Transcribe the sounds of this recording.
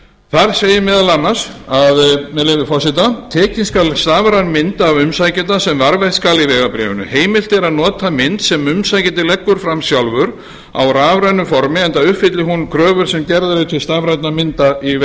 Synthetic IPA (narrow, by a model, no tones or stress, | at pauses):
θaɾseːjɪmɛːðalanːḁsaðmɛðlevɪfɔ̥sɪt̪at̪ʰɛːcinskalst̪aːvɾanmɪnt̪aːvʏmsaːjcɪt̪asɛmvaɾvɛht̪skalivɛːɣapɾɛ̰ːvʏ̰nʏ̰heːjmɪl̥t̪ɛɾaðnɔːt̪amɪnt̪sɛmʏmsajcɪnt̪ɪlɛkːʏɾ̥fɾamsjawlvʏɾ | a̰wɾaːvɾajnːʏfɔɾmɪɛjnt̪aʏhpfɪt̪lɪɦunkʰɾœːvʏɾ̥sɛmcɛɾðaɾɪt̪ʰːɪlst̪avɾajt̪namɪnt̪ai